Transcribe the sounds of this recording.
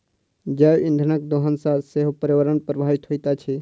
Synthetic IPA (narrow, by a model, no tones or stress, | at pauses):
d͡ʒaĩnd̪ʱənək̚d̪oɦənsaseɦupəɾiwəɾənpɾəbʱaʋit̪ɦojt̪at͡ʃʰi